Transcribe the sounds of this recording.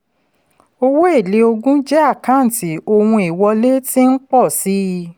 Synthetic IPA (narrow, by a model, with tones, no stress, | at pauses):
o˧wo˦e˦˨le˨˦o˧ɡũ˦d͡ʒɛ˦a˦˨kã˨˦n̩˨ti˨˦o˧wũ˧i˨wɔ˧le˦ti˦n̩˦k͡pɔ˦˨si˨˦